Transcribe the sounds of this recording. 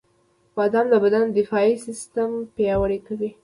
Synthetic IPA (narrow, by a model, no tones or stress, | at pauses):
bɑd̪amlabad̪and̪ɪfɑisɪst̪ampjɑwaɽekawi